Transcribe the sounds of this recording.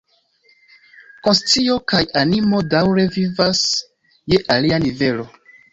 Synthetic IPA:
konst͡sio̞kajanimo̞dawɾe̞vivas | je̞ʔalianive̞lo̞

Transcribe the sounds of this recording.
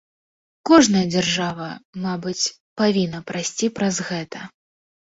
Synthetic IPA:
kɔʐnɐjɐd͡zʲarʐavɐmabɨt͡sʲ | pavʲinːɐpɾasʲt͡sʲipɾɐzɣɛt̪ɐ

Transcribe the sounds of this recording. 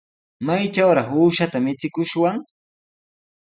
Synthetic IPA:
majt͡ʃawɾɑχuːʃat̪amɪt͡sɪkʊʃwaŋ

